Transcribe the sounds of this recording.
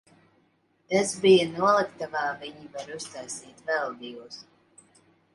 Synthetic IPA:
ezbijanuɔlˠɨkt̪avaːviɲivaɾust̪ajsiːt̪vɛlˠd̪ijuɔs

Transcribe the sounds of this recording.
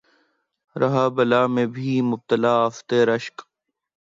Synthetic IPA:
ɾɐɦaːbɐlaːmẽːbʱiːmʊb̚t̪əlaːɐft̪eːɾɐʃk

